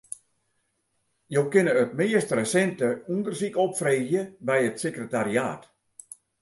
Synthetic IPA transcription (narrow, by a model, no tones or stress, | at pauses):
jowkɪnəətmɪːəstrəsɛntəundərsikɔpfreːzjəbɛjətsekrətaɾia̰ːt